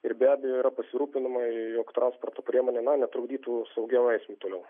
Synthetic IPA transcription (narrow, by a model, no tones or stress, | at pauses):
ɪrbʲæːbʲɛjoːiɾɐpɐsʲɪɾuːpʲɪnɪmɐɪjoːkt̪ɾɑnsport̪oːpʲɾʲiɛmoːnʲeːnɐnʲɛt̪ɾʊɡd̪ʲiːt̪uːsɐʊɡʲɛɛɪsʲmʲut̪oːlʲɛʊ